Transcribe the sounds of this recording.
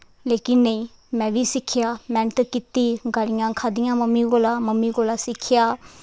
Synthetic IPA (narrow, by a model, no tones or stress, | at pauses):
lekinːej | mɛbisikʰijamɛntəkit̪ːiɡaɾiŋaŋkʰad̪iŋaməmiɡolaməmiɡolasikʰija